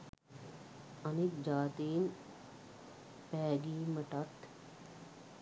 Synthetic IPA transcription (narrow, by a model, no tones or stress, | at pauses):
ɐnik̪̚d͡ʒaːt̪iːn | pɛːɡiːməʈat̪